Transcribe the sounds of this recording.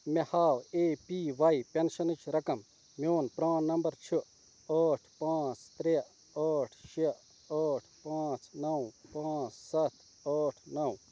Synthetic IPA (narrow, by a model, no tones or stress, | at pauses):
mehaːweːpiːʋɐjpenʃɐnɨt͡ʃʰɾɐkɐm | mjoːnpɾãːnːɐmbɐɾt͡ʃʰu | ɐːʈʰpãːt͡st̪ɾe | aːʈʰʃe | aːʈʰpãːt͡snɐwpãːt͡ssɐt̪ʰ | ɐːʈʰnɐw